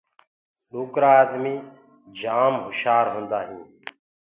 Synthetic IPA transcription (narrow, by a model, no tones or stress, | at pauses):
ɗuːkɾaːd̪miː | d͡ʒaːmɦʊʃaːɾɦʊ̃ːnd̪aːɦĩː